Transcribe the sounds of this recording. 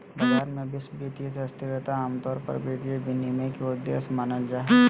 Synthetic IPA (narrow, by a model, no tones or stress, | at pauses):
bɐd͡ʒaːɾmẽbɪsbiːt̪ies̬eɐst̪ʰiɾet̪aaːmt̪ɔːɾpɐ̰ɾbiːt̪iebɪnimẽkeʊd̪ːḛːsmaːnəld͡ʒaːɦɛ